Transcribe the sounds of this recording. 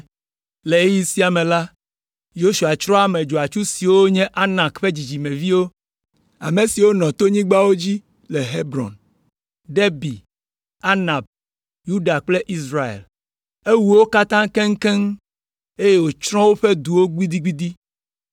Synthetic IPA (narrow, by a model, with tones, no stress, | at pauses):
le˨e˦ji˦si˦a˨mẽ˨la˦ | jo˦ʃu˨a˨t͡ʃɾɔ̃˦a˦mẽ˨d͡ʒo˨a˨t͡ʃu˦si˨wo˦ɲɛ̃˦ʔa˦nã˨kɸe˦d͡ʑi˨d͡ʑi˨mɛ̃˨vi˦wo˦ | a̰˨me˨si˨wo˦nɔ̃˨t̪o˦ɲĩ˦ɡ͡ba˦wo˦d͡ʑi˦ | le˨ɦe˦bɾɔ̰˨n | ɖe˦bi˨ | a˦nã˨b̚ | ju˦ɖa˨k͡ple˦ʔi˦sɾa˨ḛ˨l | e˦wu˨wo˦ka˦t̪ã˦ŋkẽ˦ŋ̩˦kɛ˦ŋ | e˦je˦wo˨t͡ʃɾɔ̃˦wo˦ɸe˦d̪u˨wo˦ɡ͡bi˦d̪i˦ɡ͡bi˦d̪i˦